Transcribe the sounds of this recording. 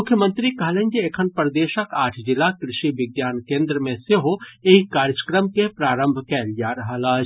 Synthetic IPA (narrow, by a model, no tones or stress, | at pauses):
ʊkʰjəmənt̪ɾikɐɦlẽnd͡ʒiekʰənpɾəd̪eːʃəkaːʈʰd͡ʒɪlːakɾɪʃiʋɪɡjaːnkẽːnd̪ɾəmẽseɦoeɦikaːɾjəkɾəmkepɾaːɾə̃mbʱkɛlijaɾɐɦəla